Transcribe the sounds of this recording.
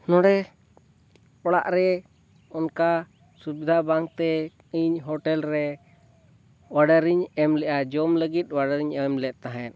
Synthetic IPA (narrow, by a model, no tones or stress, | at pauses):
nɔɽɛ | ɔɽa̰ʔɾɛ | ɔnka | subid̪ʱabaŋt̪ɛ | iɲɦɔʈɛlɾɛ | waɖaɾiɲɛmlɛʔad͡ʒɔmləɡit̪̚ˀwaɖəɾiɲɛmlɛt̪̚t̪aɦɛn̚